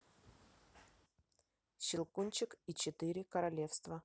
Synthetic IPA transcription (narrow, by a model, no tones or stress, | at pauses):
ɕɪlˠkunʲt͡ɕɪkit͡ɕɪt̪ɨɾʲɪkəɾɐlʲefst̪və